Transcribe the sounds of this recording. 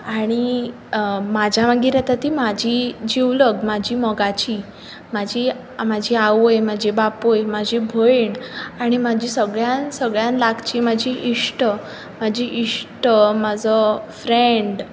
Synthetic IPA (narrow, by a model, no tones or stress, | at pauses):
aɽ̃i | mad͡ʑʱaʋaɡiɾat̪at̪imad͡ʑʱid͡ʑiwləɡmad͡ʑʱiːmɔɡat͡ɕi | mad͡ʑʱi | mad͡ʑʱiaʋojmad͡ʑʱibapojmad͡ʑʱibʱojiɳaɽ̃imad͡ʑisəɡɭjansəɡɭjãnlakt͡ɕimad͡ʑʱiʔiʂʈə | mad͡ʑʱiʔiʂʈəmad͡zɔfɾeɳɖ